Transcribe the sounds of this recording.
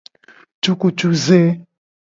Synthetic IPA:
t͡ʃu˦ku˨t͡ʃu˦ze˦

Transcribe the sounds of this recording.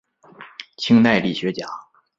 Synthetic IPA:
t͡ɕʰi˥ŋna˥˧ɪli˥˩ɕɥɛ˧˥t͡ɕja˨˩˦

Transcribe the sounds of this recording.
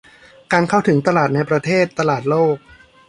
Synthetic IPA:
kaː˧nkʰa˥˩wt̪ʰɯ˩˦ŋt̪a˧laː˨˩t̪̚na˧jpɾa˧t̪ʰeː˥˩t̪ːa˧laː˨˩t̪̚loː˥˩k̚

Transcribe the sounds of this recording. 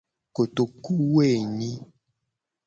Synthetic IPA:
ko˨to˨ku˦we˦˨ɲĩ˦

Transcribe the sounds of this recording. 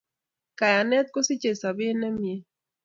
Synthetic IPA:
ka˨ja˨nɛ˦t̪̚ko˦sɪ˦t͡ʃe˨sa˨bɪ˦nɛ˦mje˦

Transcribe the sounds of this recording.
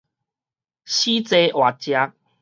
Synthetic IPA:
ɕi˦t͡se˧˦ʔwa˨˩t͡ɕja˧˦k̚

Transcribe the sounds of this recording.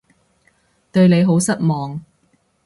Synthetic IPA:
t̪ɵ˧ɥne˨˧jɦo˨˥wsɐ˥t̚mɔː˨ŋ

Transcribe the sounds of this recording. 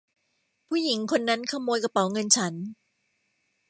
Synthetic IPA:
pʰuː˥˩ji˩˦ŋkʰo˧nːa˦˥nkʰa˧moː˧jka˧pa˨˩˦wŋɤ˧nt͡ɕʰa˦˥n

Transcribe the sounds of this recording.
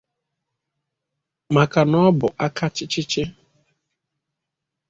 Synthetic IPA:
ma˨ka˨nɔ˦bʊ˨ʔa˦ka˦t͡ʃɪ˦t͡ʃɪ˦t͡ʃɪ˦

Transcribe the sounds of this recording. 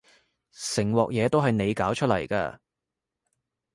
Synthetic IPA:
sɪ˨˩ŋwɔː˨k̚jɛː˨˧t̪o˥wɦɐ˨jne˨˧jkaː˨˥wt͡ʃʰɵ˥t̚lɐ̰˨˩jka̰ː˧

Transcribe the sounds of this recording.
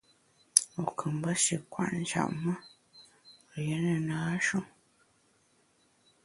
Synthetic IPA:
o˨kʰɨ˨mbə˦ʃi˨kwa̰˦˨ʔn˨d͡ʒa̰˨ʔmə˦˨ | je˨˦nə˨naː˨˦ʃo˦˨ŋ

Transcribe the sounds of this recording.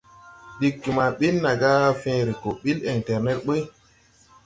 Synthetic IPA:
ɗi˨kːi˨ma˨ɓi˦lna˨ɡa˦fẽ˦ɾi˨ko˨ɓi˦li˨ŋtɛ˨ɾne˦t̚ɓə˦

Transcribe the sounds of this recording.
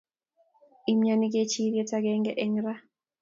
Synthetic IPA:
i˨mɲa˦ni˦ɡe˦t͡ʃi˦ɾje˦ta˦ɡɛ˦ŋɡɛ˦ʔe˦ŋɾa˦

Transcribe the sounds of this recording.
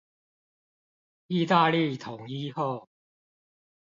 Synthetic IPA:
i˥˧t̪a˥˧li˥˨t̪ʰʊ˨˩ŋi˦˥ho˥˨ʊ

